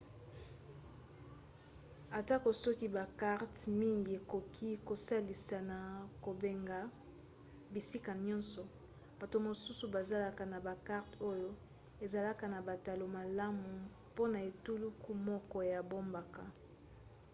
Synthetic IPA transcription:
a˨ta˦ko˨sɔ˦ki˦ba˨ka˦ʁtmi˦ŋɡi˨e˨ko˨kʰi˦ko˨sa˦li˨sa˨na˨ko˨be˨ŋɡa˨ | bi˨si˦ka˨ɲɔ̃˦nsɔ˨ | ba˨to˨mo˨su˦su˨ba˨za˦la˦ka˨na˨ba˨ka˦ʁto˦jo˦ | e˨za˨la˦ka˨na˨ba˨ta˨lo˨ma˨la˦mu˨ | po˦na˨e˨tu˦lu˦ku˦mɔ˦kɔ˦ja˨bo˦mba˨ka˨

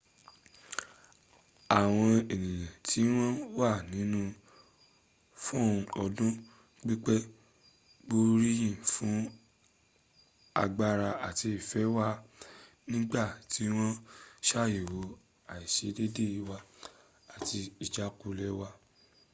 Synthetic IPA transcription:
a˨w̃ɔ̃˧e˨nĩ˨jɛ̃˨tʰi˨˦w̃ɔ̃˦wa˦˨nĩ˨˦nũ˦ | fɔ̃˦˨ũ˧ɔ˧dũ˦ | k͡pi˦k͡pɛ˦ | ɡ͡bo˦ɾi˦jĩ˦˨fũ˨˦ | a̰˧ɡ͡ba˧ɾa˧a˨ti˧i˨fɛ˨˦wa˦ | nĩ˦ɡ͡ba˦˨ti˨˦w̃ɔ̃˦ʃa˦˨je˨wo˨˦ | a˨i˨ʃe˨˦de˦de˦˨i˧˦wa˧ | a˨ti˧i˨d͡ʒa˨˦ku˧lɛ˦wa˧

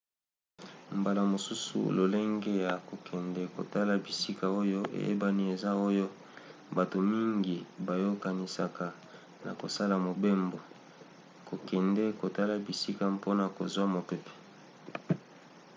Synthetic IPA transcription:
mba˨la˨mo˨su˦sṵ˨lo̰˨le˦ŋɡe˦ja˨ko˨kʰɛ˨ndɛ˨ko̰˨ta˦la˨bi˨si˦ka˨o˦jo˦ʔḛ˨jʔḛ˦ba˦ni˦e˨za˦o˦jo˦ | ba˨to˨mi˦ŋɡi˨ba˨jo˦ka˦ni˨sa˨ka˨ | na̰˨ko̰˨sa˦la˨mo˨be˦mbo˨ | ko˨kɛ˨ndɛ˦ko˨ta˦la˨bi˨si˦ka˦po˦na˨ko˨zwa˦mo˨pɛ˦pɛ̥˨

